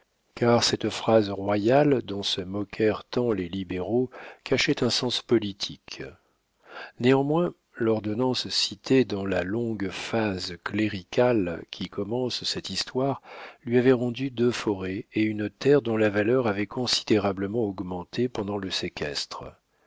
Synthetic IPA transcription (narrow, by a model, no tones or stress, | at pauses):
kaʁsɛt̪fχazʁwajald̪ɔ̃səmɔkʲʰɛʁt̪ɑ̃lelibeʁokaʃɛt̪ɛ̃sɑ̃spɔlit̪ʰik | neɑ̃mwɛ̃ | lɔʁd̪ɔnɑ̃ssit̪ʰed̪ɑ̃lalɔ̃ɡfazkleʁikʲʰalkʲʰikʰɔmɑ̃ssɛt̪ist̪waʁlɥiavɛʁɑ̃d̪yd̪øfɔʁɛeynt̪ɛʁd̪ɔ̃lavalœʁavɛkɔ̃si̥d̪eʁabləmɑ̃ɔɡmɑ̃t̪ʰepɑ̃d̪ɑ̃ləsekʲʰɛ̰st̪χə